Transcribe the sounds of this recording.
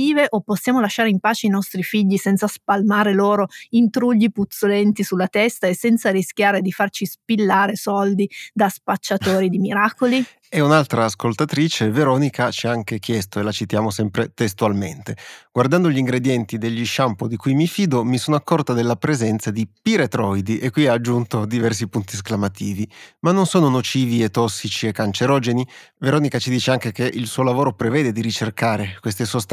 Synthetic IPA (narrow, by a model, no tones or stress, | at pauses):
iːveʔopːosːjaːmolaʃːaːɾeimpaːt͡ʃeinɔst̪ɾifiʎːisɛnt̪saspalmaːɾeloːɾoint̪ɾuʎːiput̪solɛnt̪isulːat̪ɛst̪aesːɛnt̪sarisk̟ʲjaːɾed̪ifart͡ʃispilːaːɾesɔld̪id̪aspat͡ʃːat̪oːɾid̪imiɾaːkoli | eunalt̪ɾaːskolt̪at̪ɾiːt͡ʃeveɾɔnikʰat͡ʃiaaŋkek̟jɛst̪oelat͡ʃit̪jaːmosɛmpɾet̪est̪ualmḛnt̪eɡ̥ward̪and̪oʎiŋɡɾed̪jɛnt̪id̪eʎːiʃːampod̪ikujmifiːd̪omisoːnoakːɔrt̪ad̪elːapɾezɛnt̪sad̪ipiɾet̪ɾɔjd̪iʔekːwiaːd͡ʒːunt̪od̪ivɛrsipunt̪isklamat̪iːvimanːonsoːnonot͡ʃiːviet̪ːɔsːit͡ʃiekːant͡ʃeɾɔːd͡ʒeni | veɾɔːnikat͡ʃid̪iːt͡ʃeaŋkek̟eʔilsuːolavoːɾopɾevɛːd̪ed̪iɾit͡ʃerkaːɾekwest̪esost̪